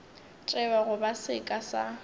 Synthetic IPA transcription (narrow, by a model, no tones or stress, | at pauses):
t͡ʃʼɛbaɣʊbasɪkʼasa